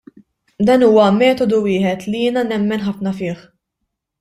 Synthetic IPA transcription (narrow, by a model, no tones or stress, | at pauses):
d̪ɐnuːwɐmɛːt̪ɔd̪uwɪːħɛt̪lijɪːnɐnɛmːɛnħɐfnɐfɪːħ